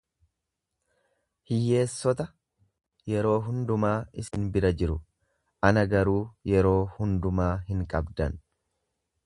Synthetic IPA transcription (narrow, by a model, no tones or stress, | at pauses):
hɪjːe̞ːsːɔt̪ɐ | jɛɾo̞ːɦʊnd̪ʊmaːɪsɪnbɪɾɐd͡ʒɪɾʊ | ʔɐnɐɡɐɾuːjɛɾo̞ːhʊnd̪ʊmaːhɪŋkʼɐbd̪ɐn